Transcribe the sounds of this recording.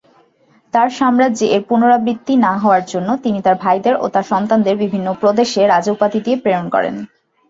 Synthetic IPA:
t̪aɾʃamɾad͡ʑiʔeɾpunoɾabɾit̪ːinaɦɔoaɾd͡ʑonːot̪init̪aɾbʱajd̪eɾʔo̰t̪aɾʃɔnt̪and̪eɾbibʱinːopɾod̪eʃeɾad͡ʑopat̪id̪iepɾeonkɔ̰ɾḛn

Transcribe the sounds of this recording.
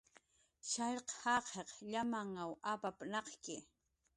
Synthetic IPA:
ʃaʎqhɑqʰeqʎamaŋawapapnɑqkɪ

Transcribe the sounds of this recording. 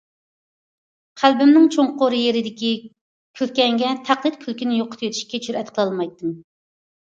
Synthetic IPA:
qʰælbɪmnɪŋt͡ʃʰoŋqoɾɨjeɾɪd̪ɪkʲi | kʲʰølkʲɛŋɡʲɛt̪ʰæqlˠɨt̪kʲʰylkʲinɪjoqʰə̥t̪jøt̪ʰy̥ʃkʲɛt͡ʃʰyɾɛt̪qʰəlˠɑlˠmɑjt̪ːɨm

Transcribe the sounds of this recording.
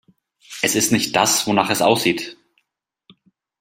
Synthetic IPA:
ʔɛsɪstnɪçt̚d̥asvonaːχɛsʔa̰ʊsz̥iːt

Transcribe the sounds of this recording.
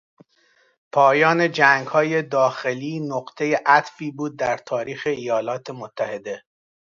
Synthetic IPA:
pʰɒːjɒːne̞d͡ʒæŋɡhɒːje̞d̪ɒːxe̞liːnoɢt̪ʰe̞jeʔæt̪fiːbuːd̪̚ːæɾt̪ʰɒːɾiːxe̞ijɒːlɒːt̪ʰemot̪ʰːæhe̞d̪e̞

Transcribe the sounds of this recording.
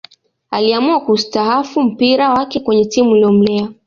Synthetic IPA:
aliamuakustaɦafum̩piɾawakɛkwɛɲɛtimuiliɔm̩lɛa

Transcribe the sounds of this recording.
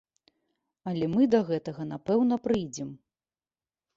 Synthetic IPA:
ɐlʲɛmɨd̪ɐɣɛt̪ɐɣɐn̪apɛwn̪ɐpɾɨjd͡zʲɛm

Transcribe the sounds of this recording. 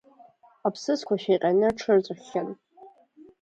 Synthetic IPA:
apʰsɨskʷʰaʃajqʲʼanɨʈ͡ʂʰɨrt͡sʼaχʲan

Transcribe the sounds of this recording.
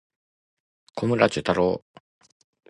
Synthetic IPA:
kʰomɯɾat͡ɕɨt̪aɾo

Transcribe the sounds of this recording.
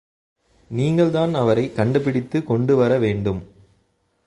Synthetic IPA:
niːŋɡɐɭðaːnɐʋɐɾɐɪkːɐɳɖɐp̬ːɪɽɪt̪ːɯkɔɳɖɯʋɐɾɐʋeːɳɖɯm

